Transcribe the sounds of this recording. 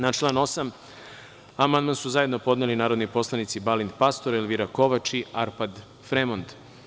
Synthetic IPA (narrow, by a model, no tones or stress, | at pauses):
nat͡ʃlˠaːno̞sam | amand̪mansuzaje̞d̪nopo̞d̪nelinaːɾod̪nipo̞slˠanit̪sibalind̪past̪o̞ɾelʋiɾako̞ʋat͡ʃiaɾpad̪ | fɾemond̪